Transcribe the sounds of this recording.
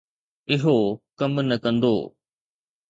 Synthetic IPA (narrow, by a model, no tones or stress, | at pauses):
ɪɦokɐmnɐkɐ̃nd̪o̰ː